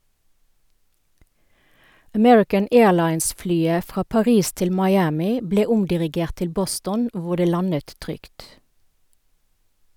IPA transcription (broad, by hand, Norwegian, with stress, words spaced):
əˈmɛɹɪkən ˈeːɭɑɪnsˌflyːə ˈfʁɑː pɑˈʁiːs ˈtɪl mɑɪˈæːmɪ ˈbleː ˈʊmdɪʁɪˌɡeːʁt ˈtɪl ˈbɔstɔn ˈʋʊ ˈdeː ˈlɑnət ˈtʁʏkt